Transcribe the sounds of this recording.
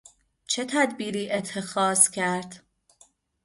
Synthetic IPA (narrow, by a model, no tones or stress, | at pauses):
t͡ʃʰe̞t̪ʰæd̪biːɾiːʔe̞t̪ʰːe̞xɒːzcʰæɾd̪̥